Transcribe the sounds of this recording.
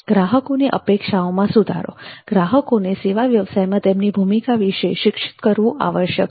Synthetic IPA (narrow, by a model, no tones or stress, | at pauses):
ɡ̥ɾaɦəkoniʔə̰pekʂaomãsud̪ʱa̰ɾo̰ɡ̥ɾaɦəkoneseʋaʋjəʋsajmãt̪emnibʱumikaʋiʃeʃɪkʂɪ̥t̪kəɾʋũʔa̰ʋəʃjək̚